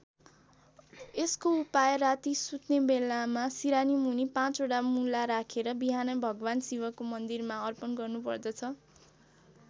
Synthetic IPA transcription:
eskoupajʌrat̪isut̪nebelamasiɾanimunipãt͡soʈamulaɾakʰeɾʌbiɦanʌbʱʌɡʌwansiwʌkomʌnd̪irmaʌrpʌnɡʌrnupʌrd̪ʌt͡sʰʌ

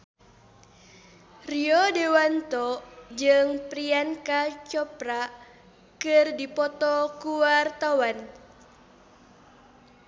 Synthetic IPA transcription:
riɔdɛwant̪ɔd͡ʒɨŋpɾiankat͡ʃɔpɾa | kɨrdipɔt̪ɔkuwart̪awan

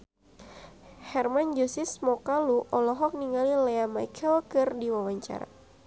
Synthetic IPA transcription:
hɛrmand͡ʒusɪsmɔkaluʔɔlɔɦɔk̚niŋalileamajkʰɛlkɨrdiwawaɲt͡ʃa̰ɾa̰

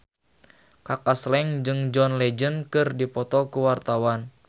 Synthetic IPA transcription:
kakaslɛŋd͡ʒɨŋd͡ʒɔnlɛd͡ʒənkɨrdipɔt̪ɔkuwart̪awan

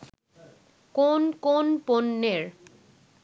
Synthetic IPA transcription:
konkonponːeɾ

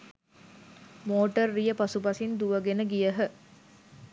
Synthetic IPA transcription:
moːʈərːijəpasupɐsind̪uʋəɡenəɡijəɦə

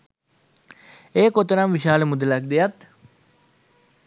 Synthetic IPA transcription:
eːkot̪ɾamʋiʃaːlemud̪lɐk̚d̪ejɐt̪

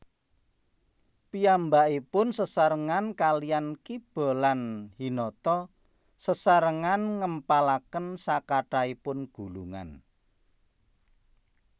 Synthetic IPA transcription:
piambaʔipʊnsəsaɾəŋankalijankib̥ɔ̤lanhinɔt̪ɔ | səsaɾəŋanŋəmpalakənsakaʈaipʊnɡ̥ṳluŋa̰n

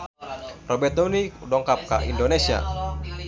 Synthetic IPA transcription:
rɔbɛrt̪̚unidɔŋkap̚ka̰ʔḭndonesia̰

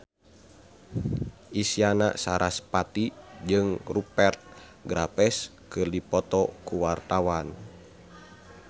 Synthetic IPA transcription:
ʔisiana̰saɾʔaspat̪id͡ʒɨŋrupɛrt̪̚ɡɾapɛs | kɨrdipɔt̪ɔkuwart̪awan

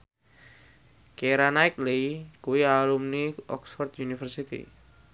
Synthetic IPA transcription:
keɾanaɪkleikuwialumniʔɔ̰ksfɔrd̪junifərsit̪ḭ

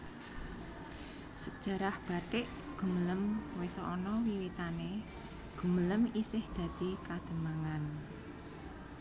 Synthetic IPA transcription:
səd̥ʒ̥a̤ɾahb̥a̤ʈ̪ɪʔ | ɡ̥ṳmələmwesɔʔɔnɔwiwit̪ane | ɡ̥ṳmələmisɪhd̪̥a̤d̪̥i̤kad̪̥ə̤maŋan

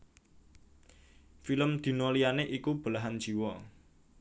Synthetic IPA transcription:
filəmd̪̥i̤nolianeʔikub̥ə̤laɦand̥d͡ʒ̥i̤wɔ

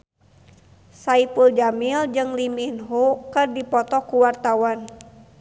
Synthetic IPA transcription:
saipuld͡ʒamild͡ʒɨŋliminɦukɨrdipɔt̪ɔkuwart̪awan

